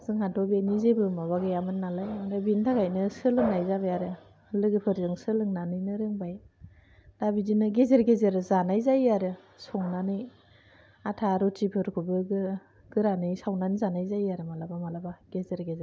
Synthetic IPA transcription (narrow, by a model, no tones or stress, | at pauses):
zɯŋhantɔbenizebɯmaβaɡɯjamɯnːalajmaɾabintʰaɡajnɯsɯlɯŋnajzaβajaɾɯ | lɯɡɯpʰɯɾzɯŋsɯlɯŋnanɯjnɯɾɯŋbaj | d̥abidinɯɡezeɾɡezeɾɯzanajzajaɾɯ | sɔŋnanɯj | atʰaɾɔtipʰɯɾkʰubɯɡɯ | ɡ̥ɯɾanɯjsawnanizanajzajaɾɯmalabamalabaɡ̥ezeɾɡeze